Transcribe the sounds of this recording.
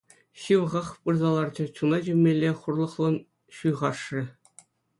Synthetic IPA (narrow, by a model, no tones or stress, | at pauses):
ɕɯʋʁɑχpɯrzɑlˠɑrd͡ʑɘ̆t͡ɕunɑd͡ʑɘmʲːelʲːeχurlˠɤ̆χlˠɤ̆n | ɕujʁɑʂrʲɘ̆